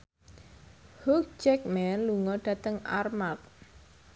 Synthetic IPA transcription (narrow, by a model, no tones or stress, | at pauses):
huk̚d͡ʒɛk̚mɛnluŋɔɖ̥ä̤t̪əŋa̰rmat̪̚